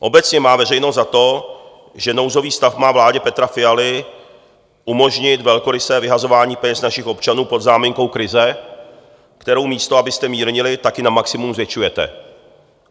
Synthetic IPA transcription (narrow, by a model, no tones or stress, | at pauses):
ʔo̞bɛt͡sɲɛmaːvɛrɛjnost̪zat̪o̞ | ʒɛno̞wzo̞viːst̪afmaːvlaːɟɛpɛt̪ɾafɪjalɪ | ʔumo̞ʒɲɪt̪vɛlko̞ɾɪsɛːvɪɦazo̞vaːɲiːpɛɲɛsnaʃɪxo̞pt͡ʃanuːpo̞d̪zaːmɪŋko̞wkɾɪzɛ | kt̪ɛɾo̞wmiːst̪o̞abɪst̪ɛmiːɾɲɪlɪt̪akɪnamaksɪmumzvjɛt͡ʃujɛt̪ɛ̰